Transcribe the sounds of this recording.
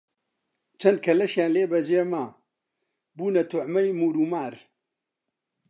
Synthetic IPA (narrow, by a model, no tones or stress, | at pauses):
t͡ʃʰɐnd̪̚kʰɐlɐʃjaːnleːbɐʒeːmaː | buːnɐt̪ʰʊʕmɐjmuːɾuːmaːɾ